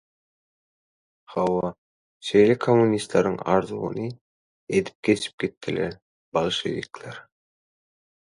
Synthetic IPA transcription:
hɑwɑ | ʃe̞jlʲekʰomːunʲist̪lˠɑɾɯŋɑ̰ɾðuɣṵnɯ | e̞d̪i̥p̚ɡe̞t͡ʃʰi̥p̚ɡ̥it̪ːileɾ | bɑlˠʃḛvikleɾ

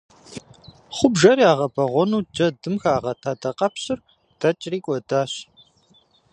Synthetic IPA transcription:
χʷʊbʒɐɾiaːʁɐbɐʁʷɔnuːd͡ʒɐdɨmxaːʁɐtʰaːdʰɐqʼɐpɕɪr | d̥ɐt͡ʃʼriːkʷʼɔdaːɕ

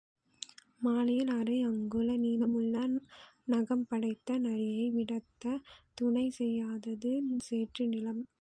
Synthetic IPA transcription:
maːlɐjɪlɐɾɐɪɐŋɡɯlɐniːlɐmɯɭːɐnɐɣɐmpɐɽɐɪt̪ːɐnɐɻɪjɐɪʋɪɽɐt̪ːɐt̪ʊɳɐɪsɛjːaːðɐðɯseːʈrɯnɪlɐm

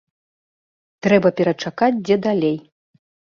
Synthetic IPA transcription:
t̪ɾɛbɐpʲɛɾɐt͡ʂakat͡sʲd͡zʲɛd̪alʲej

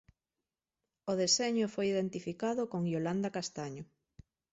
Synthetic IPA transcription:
oðeseɲʊfojiðent̪ifikaðʊkoŋjoland̪akast̪aɲʊ

